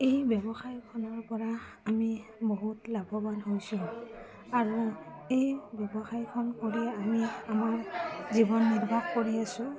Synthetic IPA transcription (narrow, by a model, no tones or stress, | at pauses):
ejbjɔbɔxajkʰɔnɔɹpɔɹaː | miboɦutlaɡɔbanɦojsʊ̃ | aɹuejbjɔbɔxajkʰɔnkoɹiɛamiamaɹzibɔnːiɹbʱaxkoɹiasʊ̃